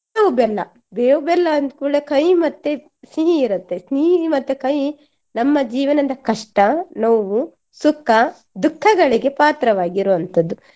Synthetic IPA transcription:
nɐʋubɛlːɐ̰ | beːubɛlːɐɐnd̪kuːɭekɐjmɐt̪ːe | siɦiːɾut̪ːesniːmɐt̪ːekɐj | nɐmːɐd͡ʒiːʋɐnɐd̪ɐkɐʂʈɐnɐʋu | sukʰːɐ | d̪ukʰːɐɡɐɭiɡe̞paːt̪ɾɐʋaːɡiɾuʋɐnt̪ɐd̪u

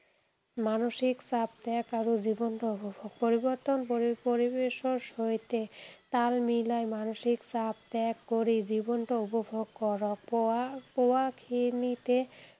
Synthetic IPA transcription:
manoʃiksab̚t̪ɛkaɾod͡ʑibonʈoupobʱoɡ̚poɾiboɾt̪onpopoɾibeʃoʃojt̪et̪almilajmanoʃiksab̚t̪ɛkːoɾid͡ʑibonʈoupobʱoɡkɔɾok̚powakʰinit̪e

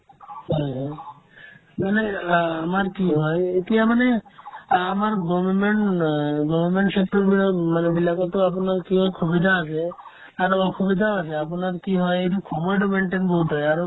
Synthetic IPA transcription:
ɦɔjɦɔj | maneamaɾkiɦɔjet̪ijamane | amaɾɡɔbɔɾmeɳɡɔbʱɔɾmeɳʈsek̚ʈɔɾbimanebilakɔt̪oap̬unaɾkiɦɔjkʰubid̪ʱaasʰe | aɾɔkʰubid̪ʱaasʰeapunaɾkiɦɔjejʈukʰɔmɔjʈ̬ɔmeɳʈenboɦuʈɔjaɾ

